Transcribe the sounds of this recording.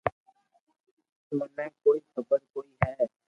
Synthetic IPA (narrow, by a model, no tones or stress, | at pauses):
mənɛ̃ːkoːiːxəbəɾkoːiːɦɛː